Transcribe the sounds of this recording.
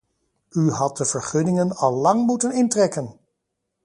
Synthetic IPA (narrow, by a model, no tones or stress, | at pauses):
yɦɑt̚dəv̥əɹχɵnɪŋənɑlˠːɑŋmutənɪntrɛkən